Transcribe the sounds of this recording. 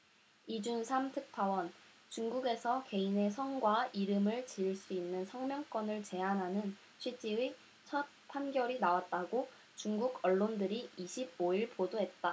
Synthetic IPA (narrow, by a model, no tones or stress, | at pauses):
id͡ʑunsʰamtʰɯk̚tʰawʌn | t͡ɕuŋɡuɡe̞sʰʌke̞ine̞sʰʌŋɡwaiɾɯmɯɭt͡ɕiɭs͈uinːɯnsʰʌŋmjʌŋk͈wʌnɯɭt͡ɕe̞ɦanɦanɯn | t͡ɕʰwid͡ʑ͈iwi | t͡ɕʰʌt̚pʰanɡjʌɾinawat̚t͈aɡo | t͡ɕuŋɡuɡʌɭːondɯɾiiɕʰib̚oiɭpodoɦe̞t̚t͈a